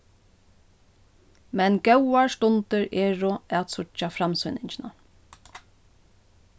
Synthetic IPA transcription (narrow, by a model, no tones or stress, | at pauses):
mɛnɡœwaɹst̪ʊnt̪ɪɹeːɹʊat̪sʊt͡ʃːafɾamsʏnɪɲt͡ʃɪna̰